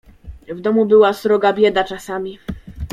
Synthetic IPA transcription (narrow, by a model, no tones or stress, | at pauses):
vd̪ɔmubɘwasɾɔɡabʲjɛd̪at͡ʂasamʲi